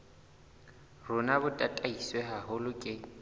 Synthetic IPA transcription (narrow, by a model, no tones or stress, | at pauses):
rʊnabʊtʼatʼaisweɦaɦʊlʊkʼɪ